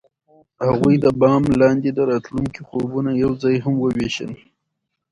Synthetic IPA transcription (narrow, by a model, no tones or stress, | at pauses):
haɣujd̪əbɑmlɑnd̪ed̪əɾɑt̪luŋkixobunajawzɑjɦamwəweʃə̰n